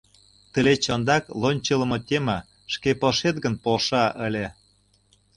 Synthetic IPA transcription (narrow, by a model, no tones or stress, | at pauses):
t̪əlet͡ɕɤnd̪ɑklˠonʲt͡ɕələ̆mɤ̆t̪ʲemə̆ | ʃkepɤʃet̪ɡə̆npolʃɑʔə̆lʲe